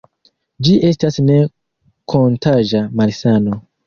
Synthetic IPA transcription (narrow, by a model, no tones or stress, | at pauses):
d͡ʒiʔe̞stasne̞ | kʰontaʒamalsano